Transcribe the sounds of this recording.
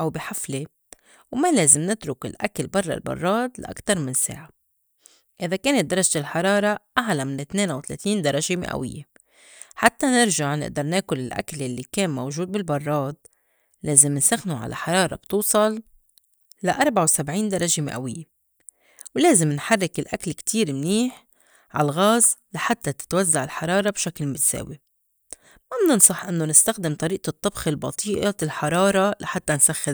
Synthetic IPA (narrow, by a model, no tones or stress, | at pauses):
ʔawbiħafle | wmaleːzɪmnɪt̪ɾʊkɪ̰lʔakalbɑrˤːɑ̰lbɑ̰rˤːɑːd̪la̰ʔa̰kt̪ɑɾˤmɪnsḛːʕa | ʔɪðakeːnɪt̪̚d̪ɑɾˤɑʒt̪ɪlħɑɾˤɑːɾˤɑʔaʕlamɪnɪt̪neːnʔawt̪alḛːt̪iːnd̪ɑɾˤɑʒemɪ̰ʔa̰wɪ̰jːe | ħat̪ːanɪɾʒaʕnɪ̰ʔd̪ɑɾˤneːkʊlɪlʔa̰kljalːikeːnmowʒuːd̪̚bɪlbɑrˤːɑːd̪̚ | leːzɪmɪnsaxnuʕa̰la̰ħɑɾˤɑːɾˤɑ̰b̥t̪uːsˤɑlː | aʔɑɾˤbaʕawsabʕiːnd̪ɑɾˤɑʒemɪ̰ʔa̰wɪjːe | wleːzɪmnħɑrːɪkɪlʔakalkt̪ʰiːɾmniːħ | ʕa̰lɣaːzlaħat̪ːat̪ɪ̥t̪wazːaʕɪlħɑɾˤɑːɾˤɑbʃaklmɪt̪sḛːwi | mabnnsˤɑħʔɪnːonɪst̪axd̪ɪmt̪ˤɑɾiːʔt̪ˤːɨbxɪlbɑ̰t̪ˤʰiːʔɑlħɑɾˤɑːɾˤɑlaħat̪ːansaxːɪ